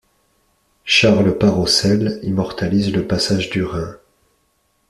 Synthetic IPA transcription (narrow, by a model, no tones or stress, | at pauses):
ʃaʁlpaʁɔsɛlimɔʁt̪alizləpasaʒd̪yʁɛ̃